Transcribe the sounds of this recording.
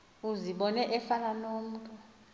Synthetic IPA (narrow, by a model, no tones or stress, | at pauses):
uziɓɔnɛʔɛfananom̩ːtʼu